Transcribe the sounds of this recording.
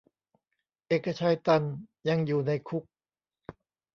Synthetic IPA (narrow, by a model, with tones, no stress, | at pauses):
ʔeː˨˩kːa˧t͡ɕʰaː˧jt̪a˧nja˧ŋjuː˨˩na˧jkʰu˦˥k̚